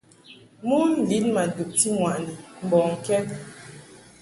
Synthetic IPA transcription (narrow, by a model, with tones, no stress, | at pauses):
mu˦n̩˦˨li˨˦nma˨du˨k̚ti˦ŋwa˨ni˨m̩˨bɔ˨ŋ̩˨kɛ˦